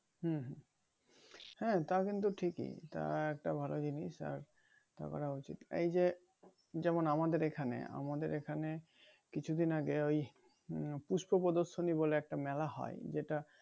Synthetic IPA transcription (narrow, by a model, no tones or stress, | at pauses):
ɦuɦ | hɛ̃t̪akint̪uʈʰikḭt̪a̰ɛk̚ʈabʱalod͡ʑiniʃa̰ɾ | t̪a̰kɔ̰ɾaot͡ɕḭt̪ḛjd͡ʑe | d͡ʑɛmonamad̪eɾekʰanḛa̰mad̪eɾekʰane | kit͡ɕʰud̪inaɡeoj | puʃpopod̪oʃoniboleɛk̚ʈamɛlahɔ̰ed͡ʑeʈa